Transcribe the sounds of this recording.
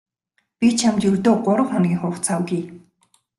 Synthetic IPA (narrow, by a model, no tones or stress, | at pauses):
pʲit͡ɕʰamt͡ɕɵrt̪oːɢʊɾə̆wχɔnɡiːŋχʊːχt͡sʰawɡiː